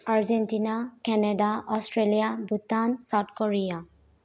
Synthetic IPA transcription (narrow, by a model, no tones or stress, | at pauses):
aɹd͡ʒɛntinakɛnɛdaɔstɹelijabutansat̚kɔɹija